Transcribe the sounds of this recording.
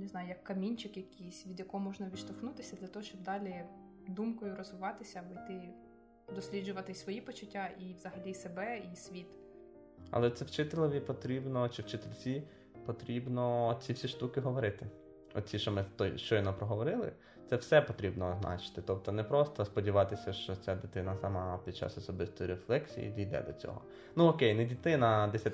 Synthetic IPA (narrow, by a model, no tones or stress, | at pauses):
nɪznɑjʊjɐkːɐmʲinʲt͡ʃɪkjɐkʲijsʲʋʲid̪jɐkɔɔmɔʒnɐʋʲiʃt̪ɔxnut̪ɪsʲɐd̪lʲɐt̪ɔɦɔʃt͡ʃɔb̚d̪ɑlʲi | d̪umkɔjʊrɔzʋɪʋɑt̪ɪsʲɐbɪjt̪ɪ | d̪ɔsʲlʲidd͡ʒʊʋɐt̪ɪsʋɔjipɔt͡ʃʊtʲːaʔiʋz̥ɐɦɐlʲisebɛisʲʋʲit̪ | ɐ̰lˠɛt̪sɛwt͡ʃɪt̪elʲˠɔʋʲipɔt̪ɾʲibnɔt͡ʃɪwt͡ʃɪt̪elʲt͡sʲi | pɔt̪ɾʲibnɔt͡sʲiwsʲiʃt̪ukɪɦɔʋɔɾɪt̪ɪ | ɔ̰t̪̚t͡sʲiʃt͡ʃɔmɪt̪ɔjʃt͡ʃɔjɔnɔpɾɔɦɔʋɔɾɪlˠɪ̰ | t̪sɛwsɛpɔt̪ɾʲibnɔːznʔɑ̰t͡ʃɪ̥t̪ɪt̪ɔp̚t̪ɔnɛpɾɔst̪ɔspɔdʲiʋɑt̪ɪsʲɐʃt͡ʃɔt͡sʲad̪ɪt̪ɪnɐsamɑpʲid̪̚t͡ʃa̰sɔsɔbɪst̪ɔjiɾeflˠɛksʲḭjḭd̪ijd̪ɛ̰d̪ɔt͡sʲɔ̰ɦɔ̰ | nuɔkejnɛdʲit̪ɪnɐd̪ɛsʲɐ